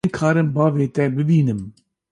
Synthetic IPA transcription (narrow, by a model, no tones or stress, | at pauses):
nkʰɑːɾɨmbɑːveːt̪ɛbɨbiːnɨm